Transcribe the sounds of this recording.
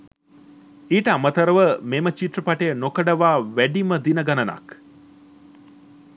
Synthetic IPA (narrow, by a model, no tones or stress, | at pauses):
iːʈəamət̪ɐɾəʋəmeːmət͡ʃiʈ̪rəpaʈejənokəɖɐʋaːʋæɖiməd̪inəɡɐnɐnɐ̰k